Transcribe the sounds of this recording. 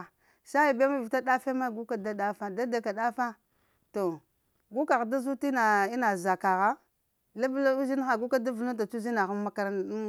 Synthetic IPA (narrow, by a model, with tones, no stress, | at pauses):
ʃa˦i˨be˦ma˦vi˨ta˦ɗa˦fe˦ma˦˨ɡu˦ka˦da˦da˦fa˦da˦da˨ka˨ɗa˦fa˦ | to˨ | ɡu˦ka˨ɣda˦zu˦ti˦na˨i˦na˨za˨ka˨ɣa˦ | la˦bla˦u˦zi˦n˦xa˨ɡu˦ka˦da˦vu˨lu˦ta˨t͡ʃu˦zi˦na˨xa˦m˦ma˦ka˦ɾa˦